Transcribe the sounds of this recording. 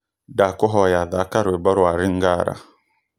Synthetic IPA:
dakɔɦɔjaðakaɾebaɾaɾiŋɡaɾa̰

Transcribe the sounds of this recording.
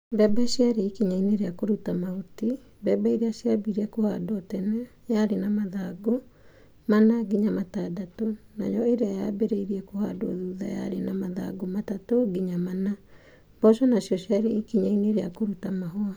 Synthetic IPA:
bɛbasiaɾeːkiɲaineɾeakoɾutamaoti | bɛbaiɾeasiabiɾeɛkohadɔtɛnajaɾenamaðaɡo | manaɡiɲamatadatona̰jɔeɾeaja̰beɾeiɾiɛkoha̰dɔ̰ðuða̰ja̰ɾenamaða̰ɡomatatoɡiɲamana | bɔsɔnasjɔɕjaɾeikiɲaineɾea̰koɾutamaɦoa

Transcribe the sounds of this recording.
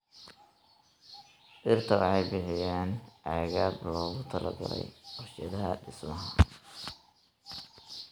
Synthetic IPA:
ʔɪrt̪ʰɐwɑħɑjbɪħɪjaːnʕaːɣaːd̪lɔːɣʊt̪ʰɐlɐ̰ɡɐlɛ̰jɔʃɛðɐɦɐɖɪsmɐɦɐ

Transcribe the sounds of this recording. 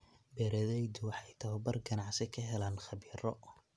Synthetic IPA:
bɛːɾɐðɛjd̪ʊwɑħɑjt̪ʰɐɛbɐrɡɐnɑʕsɪkʰɐɦɛlaːnχɑβiːɾɔ

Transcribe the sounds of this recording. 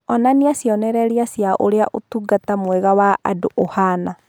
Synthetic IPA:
ɔnaniasjɔnɛɾɛɾiasjaʔoɾea̰ʔotuɡatamwɛɣawaa̰doʔohana

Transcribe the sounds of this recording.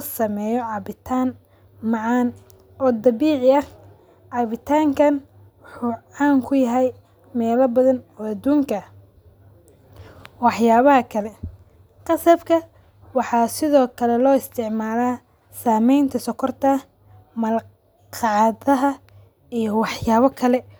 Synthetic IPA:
sɐmɛːjɔʕɑβɪt̪ʰaːn | mɑʕɑːn | ʔɔːd̪ɑβiːʕɪɐ | ʕɑβɪt̪ʰaːŋkʰɐn | wʊħuːʕɑːŋkʰʊjɐɦɛj | mɛːlɐbɐðɐnɔːɐd̪uːŋkʰɐ | wɑħjaːβɐɦɐkʰɐlɛ | qɑsɐbkʰɐ | wɑħɑːsɪðɔːkʰɐlɛlɔːɪst̪ʰɪʕmaːlaː | saːmɛjnt̪ʰɐsɔkʰɔrt̪ʰɐ | mɐl | qɑʕðɐɦɐ | ijɔwɑħjaːβɐkʰɐlɛ

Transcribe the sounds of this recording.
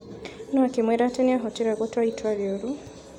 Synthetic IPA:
nɔakemwɛɾatɛniaɦɔtiɾaɡɔtaitʰwaβjoɾu

